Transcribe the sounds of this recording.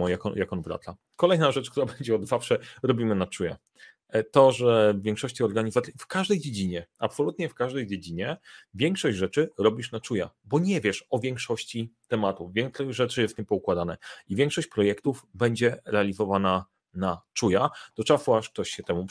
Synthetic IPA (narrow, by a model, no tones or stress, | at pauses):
ɔjakɔ̰jakɔnbɾa̰t̪la | kɔlɛjnaʐɛt͡ʂk̚t̪uɾabɛɲd͡ʑɛɔd̪zafʂɛɾɔbʲimɘnat͡ʂuja̰ | t̪ɔʐɛvvʲjɛ̃ŋkʂɔɕt͡ɕiɔɾɡaɲizat̪sʲifkaʐd̪ɛjd͡ʑed͡ʑiɲɛa̰psɔlut̪ɲɛfkaʐd̪ɛjd͡ʑed͡ʑiɲɛvʲjɛŋkʂɔɕd͡ʑʐɛt͡ʂɘɾɔbʲiʂnat͡ʂuja̰bɔɲɛvʲjɛʂɔvʲjɛŋkʂɔɕt͡ɕit̪ɛmat̪uvʲjɛŋksɔʐɛt͡ʂɘjɛst̪ɲɛpɔukwad̪anɛivʲjɛŋkʂɔɕt͡ɕpɾɔjɛkt̪uvbɛɲd͡ʑɛɾɛalʲizɔvana | nat͡ʂujad̪̥ɔt͡ʂafɔaʂk̚t̪ɔɕɕɛt̪ɛmu